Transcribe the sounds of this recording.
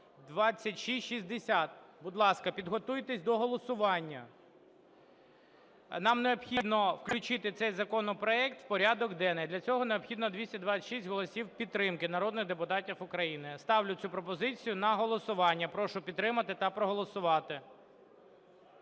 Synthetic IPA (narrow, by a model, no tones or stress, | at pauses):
d̪ʋɑt͡sʲːɐtʲʃisʲtʲʃizʲd̪esʲat̪̚bʊd̪lˠɑskɐpʲid̪ɦɔt̪ujt̪esʲd̪ɔɦɔlˠɔsʊʋɑnʲːɐ | nɑmneɔbxʲid̪nɔwklʲʊt͡ʃɪt̪ɪt̪sɛjzɐkɔnɔpɾɔɛk̚t̪w̥pɔɾʲad̪ɔɡd̪ɛnɛd̪lʲɐt͡sʲɔɦɔneɔpxʲid̪nɔd̪ʋʲisʲtʲɐd̪ʋat͡sʲːɐʃisʲtʲɦɔlˠɔsʲiwpʲit̪ːɾɪmkɪnɐɾɔd̪nɪɣd̪epʊt̪ɑtʲifʊkɾɐjinɪst̪ɑwlʲʊt͡sʲupɾɔpɔzɪt͡sʲijʊnɐɦɔlˠɔsʊʋɑnʲːɐpɾɔʃʊpʲid̪t̪ːɾɪmɐt̪ɪt̪ɐpɾɔɦɔlˠɔsʊʋɑt̪ɪ